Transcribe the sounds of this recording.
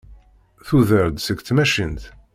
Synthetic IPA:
θuðəɾd̪səkθmæʃənt̪

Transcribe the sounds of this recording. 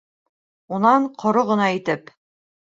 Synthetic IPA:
unɑɴqʰŏɾoʁɤ̆nɑit̪ɘp

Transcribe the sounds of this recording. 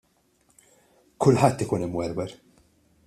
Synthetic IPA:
kʊlħɐt̪ːɪkuːnɪmwɛɾwɛɾ

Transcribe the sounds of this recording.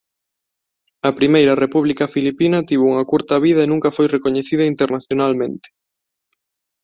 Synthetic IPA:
ɐpɾimejɾɐrepuβlikɐfilipinɐt̪iβuŋɐkuɾt̪ɐβiðɐenũŋkɐfojrekoɲeθiðɐint̪eɾnaθjonalmẽnt̪ɪ̥

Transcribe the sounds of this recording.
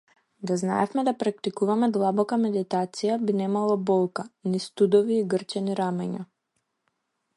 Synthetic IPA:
d̪azna̰ɛfmɛd̪apɾak̚t̪ikuvamɛd̪lˠabɔkamɛd̪it̪at̪sijabinɛmalˠɔbɔlˠkanist̪ud̪ɔviːɡrt͡ʃɛniɾamɛɲa̰

